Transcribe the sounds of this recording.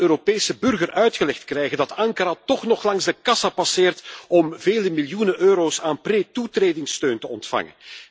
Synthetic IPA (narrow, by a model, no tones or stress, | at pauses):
øːɾopeːsəbɵrɣərʔœɥtxəlɛxtkrɛjɣəndɑtɑŋkəɾatɔχnɔχlɑŋzdəkɑsapɑsɪːrtɔmveːləmiljunənʔøːɾoːsaːnpreːtutreːdɪŋstøːntəɔntfɑ̰ŋə̰n